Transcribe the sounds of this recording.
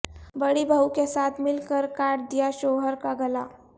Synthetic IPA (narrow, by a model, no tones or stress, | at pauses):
bəɽibʱəwkesat̪ʰmilkəɾkaʈ̚d̪ijaɕoɦəɾkaɡəla